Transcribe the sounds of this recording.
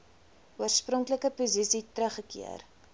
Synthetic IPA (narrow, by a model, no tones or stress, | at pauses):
uərsprɔŋkləkəpuzisitɾəχəkḭə̰r